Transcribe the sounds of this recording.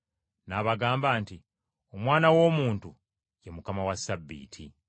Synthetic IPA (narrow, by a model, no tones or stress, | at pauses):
naːβaɡaːmbaːnti | o̞mwaːnawo̞ːmuːntu | jemukamawasːabːḭːtʰḭ